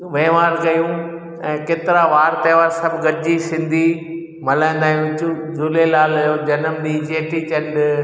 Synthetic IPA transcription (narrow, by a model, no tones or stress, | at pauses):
ʋẽːʋaːɾkɐjũ | ɛ̃ːkeːt̪ɪɾaʋaːɾt̪eːʋaːɾsɐbʱɡɐɾɪd͡ʑisɪ̃nd̪ʱi | mɐlãɪ̃nd̪aːjũt͡ɕuzʊlelaːljoːd͡ʑɐnəmɗ̪iːt͡ɕeːʈit͡ɕɐ̃nɖ